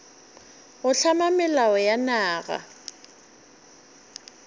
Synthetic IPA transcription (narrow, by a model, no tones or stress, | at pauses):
ɣʊɬʰamamɪlaɔjanaːɣa̰